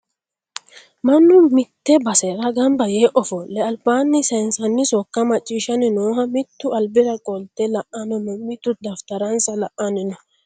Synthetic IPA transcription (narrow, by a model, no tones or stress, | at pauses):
mɐnːʊmɪt̪ːɛbɐsɛɾɐɡɐmbɐjeːʔɔfɔlːɛɐlbaːnːɪsɛnsɐnːɪsɔkːɐmɐt͡ʃʼːiːʃɐnɪnoːɦɐmɪt̪ːʊɐlbɪɾɐkʼɔlt̪ːɛlɐʔɐnɔnːɔmɪt̪ːʊd̪ɐft̪ɐɾɐnsɐlɐʔɐnɪnɐ